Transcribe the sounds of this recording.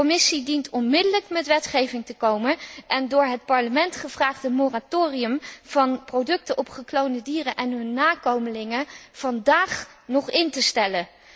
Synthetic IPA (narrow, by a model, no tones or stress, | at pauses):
omɪsidintɔnmɪdələkmɛtʋɛtχejvɪŋtəkowmənʔɛndʊːɹɦət̚pɑɹləmɛntχəv̥raːχtɦətmoratoːriəmv̥ɑnprowdɵk̚təʔɔpχəklowndədiːrənʔɛnɦɵnːaːkowməlɪŋəv̥ɑndaːχ | nɔχɪntəstɛlə